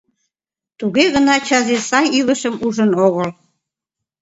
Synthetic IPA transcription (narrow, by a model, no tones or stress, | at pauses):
t̪uɣeɣənɑt͡ɕɑzesɑjiləʃəmuʒənoɣəl